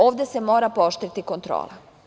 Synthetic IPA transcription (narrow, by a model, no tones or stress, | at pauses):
oːʋd̪ʲese̞mo̞ːɾapoʃt̪ɾit̪iko̞nt̪ɾo̰ːla